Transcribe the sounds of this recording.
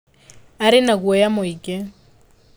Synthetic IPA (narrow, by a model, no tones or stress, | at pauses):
aɾɪnakuɔjamoikʼɪ